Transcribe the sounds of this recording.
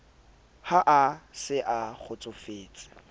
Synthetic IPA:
haʔasɪʔaχʊt͡sʼʊfeːt͡sʼɪ̥

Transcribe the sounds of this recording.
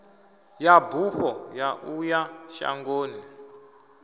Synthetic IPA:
jabʱuɸɔjaʔujaʃa̰ŋɡoːni

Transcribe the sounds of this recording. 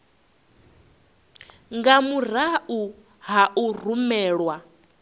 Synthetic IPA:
ŋɡamur̤aʔu | ɦaʔur̤umɛːɺwa

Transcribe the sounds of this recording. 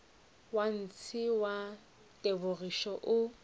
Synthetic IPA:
wan̩t͡sʰɪwa | tʼebʊriʃɔʔʊ

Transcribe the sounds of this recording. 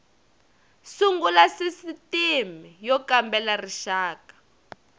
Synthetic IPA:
suŋɡulasisitimijɔkambɛlariʃaːkḁ

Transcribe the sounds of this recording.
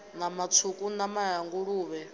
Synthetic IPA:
namat͡sʰukʼunamaɦaŋɡuɺuːβɛ

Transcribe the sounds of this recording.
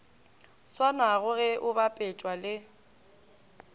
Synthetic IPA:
swanaɣʊɣɛʔʊbapʼɛt͡ʃʼwalɪ

